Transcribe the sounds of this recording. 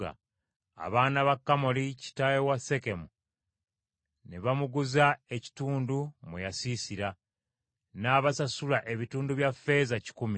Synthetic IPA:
a̰ | a̰βaːnaβakːamo̞lici̥tajewase̞ke̞mu | neβamuɡuzae̞ci̥tuːndumujasisiɾa | naːβasasulaʔe̞βituːnduβjafe̞ːzaci̥kumi

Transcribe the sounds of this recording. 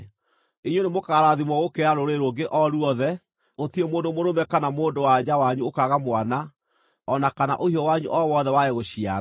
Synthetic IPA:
eɲwonemokaɾaðimwɔɣokeaɾoɾeɾoɡeʔɔɾuɔðɛ | ɣotiemoːndomoɾomɛkanamoːndowad͡ʑawaɲuokaɣamwana | ɔnakana̰ʔohiɔwaɲṵʔɔwɔðɛwajeɣoɕiaɾ

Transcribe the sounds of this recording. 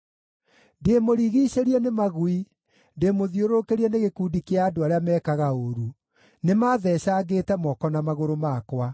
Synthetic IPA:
ndemoɾiɣiɕeɾiɛnemaɣwi | ndeːmoðioɾokeɾiɛneɣekuːdikeaːdoaɾeamɛːkaɣaoɾu | nemaːðɛːɕaɡetɛmɔkɔnamaɣoɾomakwa

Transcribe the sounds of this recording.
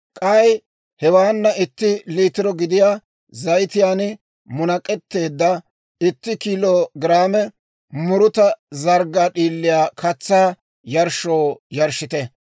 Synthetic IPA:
kʼɐj | hɛwaːnːɐɪt̪ːɪliːt̪ɪɾɔɡɪd̪ɪjaː | zɐjt̪ɪjaːn | mʊnɐkʼɛt̪ːe̞ːd̪ːɐ | ɪt̪ːɪkiːloːɡɪɾaːmɛ | mʊɾʊt̪ɐzɐɾɡaːɗiːlːɪjaːkʰɐt͡sːaː | jɐɾʃoːjɐɾʃɪt̪ɛ

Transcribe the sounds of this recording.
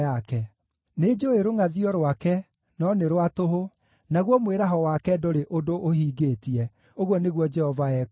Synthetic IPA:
akɛ | ned͡ʒoeɾoŋaðiɔɾwakɛ | nɔneɾwatoɦo | naɣwɔmweɾaɦɔwakɛdoɾeʔodoʔohiːɡetiɛ | oɣwɔneɣwɔd͡ʒɛhɔvaɛ

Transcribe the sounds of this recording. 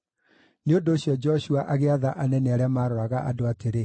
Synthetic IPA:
neondoːɕjɔd͡ʒɔɕuaʔaɣeaðaʔanɛneaɾeamaːɾɔɾaɣaʔa̰doateɾe

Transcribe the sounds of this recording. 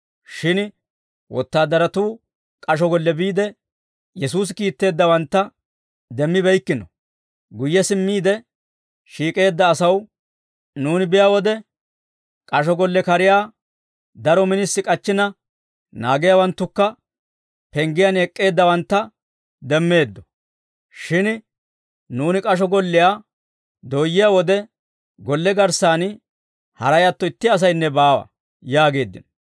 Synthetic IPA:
ʃɪn | wʔɔ̰t̪ːaːd̪ɐɾɐt̪uː | kʼɐʃɔɡɔlːɛbiːd̪ɛ | jɛsuːs̬ɪkiːt̪ːe̞ːd̪ːɐwɐnt̪ːɐ | d̪ɛmːɪbɛjkːɪnɔ | ɡʊjːɛsɪmːiːd̪ɛ | ʃiːkʼe̞ːd̪ːɐːsɐw | nuːnɪbɪjaːwɔd̪ɛ | kʼɐʃɔɡɔlːɛkɐɾɪjaː | d̪ɐɾɔmɪnɪsːɪkʼɐt͡ʃːɪnɐ | naːɡɪjaːwɐnt̪ːʊkːɐ | pɛŋɡɪjanɛkʼːe̞ːd̪ːɐwɐnt̪ːɐ | d̪ɛmːe̞ːd̪ːɔ | ʃɪn | nuːnɪkʼɐʃ̬ɔɡɔlːɪjaː | d̪oːjːɪjaːwɔd̪ɛ | ɡɔlːɛɡɐɾsaːn | hɐ̰ɾɐjɐt̪ːɔɪt̪ːɪɐs̬ɐjnːɛbaːwɐ̰ | jaːɡe̞ːd̪ːɪ̰nɔ

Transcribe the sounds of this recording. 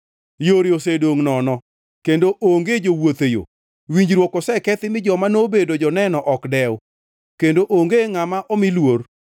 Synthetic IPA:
joɾiosedoŋnɔnɔ | kendoʔoŋɡed͡ʒowot̪ejo̰ | wiɲd͡ʒɾwokɔsɛkɛt̪ɪmɪd͡ʒɔmanobedod͡ʒɔnɛnɔʔɔkdɛw | kendoʔoŋɡeŋamaʔɔmilwor

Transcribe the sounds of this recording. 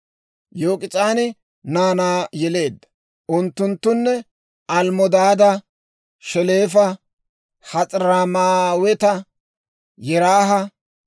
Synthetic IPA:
jo̞ːkʼɪt͡sʼaːnɪ | naːnaːjɛle̞ːd̪ːɐ̥ | ʔʊnt̪ːʊnt̪ːʊnːɛ | ɐlmɔd̪aːd̪ɐ | ʃɛle̞ːfɐ | hɐt͡sʼɾaːmaːwɛt̪ɐ | jɛɾaːɦɐ

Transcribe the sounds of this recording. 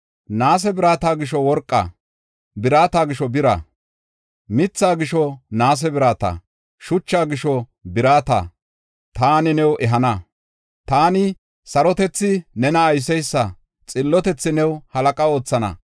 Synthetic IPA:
naːs̬ɛbɪɾaːt̪aːɡɪʃɔwɔɾkʼːa̰ | bɪɾaːt̪aːɡɪʃɔbɪɾa̰ | mɪt͡sːaːɡɪʃɔnaːs̬ɛbɪɾaːt̪a̰ː | ʃʊt͡ʃːaːɡɪʃɔ | bɪɾaːt̪a̰ː | t̪aːnɪnɛwɛɦɐnɐ | t̪aːnɪ | sɐɾɔt̪ɛt͡sːɪnɛnɐːjs̬ɛjsːɐ | t͡sʼɪlːɔt̪ɛt͡sːɪnɛwhɐlɐkʼɐo̞ːt͡sːɐnɐ̰

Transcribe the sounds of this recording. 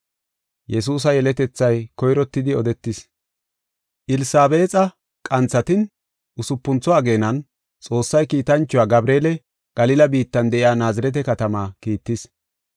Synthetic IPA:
jɛs̬uːs̬ɐjɛlɛt̪ɛt͡sːɐjkɔjɾɔt̪ːɪd̪ɪɔd̪ɛt̪ːɪs | ʔɪlɪsaːbe̞ːt͡sʼɐ | kʼɐnt͡sːɐt̪ɪn | ʔʊsʊpːʊnt͡sɔɐɡe̞ːnɐn | t͡sʼo̞ːsːɐjkiːt̪ɐnt͡ʃːʊwaːɡɐbɾe̞ːlɛ | ɡ̥ɐlɪlɐbiːt̪ːɐnd̪ɛʔɪaːnaːzɪɾɛt̪̬ɛkɐt̪ɐmaːkiːt̪ːɪs

